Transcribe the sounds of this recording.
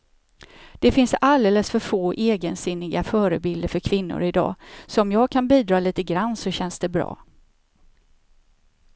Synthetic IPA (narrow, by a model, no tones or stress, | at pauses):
d̪̥ɛfɪnsald̪eːləsfœɾfoːʔeːɡənsɪnːɪɡafœːɾəbɪld̪əɾfœɾkʰvɪnːʊ̰ɾɪd̪ɑ̰ːsɔmjɑːɡ̚kʰanbiːd̪ɾɑːliːt̪əɡɾanːsɔɕɛnsd̪ɛbɾɑ̰ː